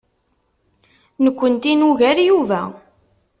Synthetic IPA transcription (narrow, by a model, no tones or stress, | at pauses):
nəkʷːənt̪inuʝæɾjuvæ